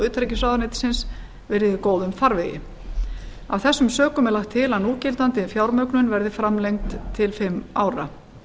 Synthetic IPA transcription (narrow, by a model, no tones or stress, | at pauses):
ʏːt̪ʰɾɛjcɪsvawðanɪːt̪sɪns | vɪɾɪðɪkoːwðʏmfaɾvɛjɪ̰ | awθɛsːʏmsœːkʏmɛɾlaxt̪ʰːɪlanuːcɪlt̪ant̪ɪfjawɾmœknʏnvɛɾðɪfɾamlejŋk̚t̪ʰːɪlfɪmːaːwɾa̰